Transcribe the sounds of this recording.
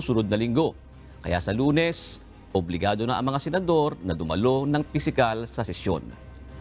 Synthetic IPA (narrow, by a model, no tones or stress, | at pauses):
sʊnod̪̚nɐlɪŋɡo̞ | kɐ̰ja̰sɐluːnɛs | ʔoblɪɡaːd̪o̞naʔɐ̰ŋmɐŋasɛnɐd̪o̞ɾnɐd̪ʊmɐ̰lo̞nɐŋpɪsɪkalsɐsɛsjo̰n